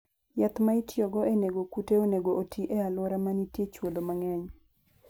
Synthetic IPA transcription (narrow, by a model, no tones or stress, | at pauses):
jat̪maitʰjɔɡɔeneɡokuteoneɡoʔotiʔealwoɾamanitjet͡ʃwod̪omaŋɛɲ